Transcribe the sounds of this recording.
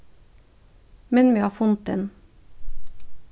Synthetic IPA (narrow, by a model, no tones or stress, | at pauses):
mɛnmiːhɑːfʊnt̪̚d̪ɛ̰n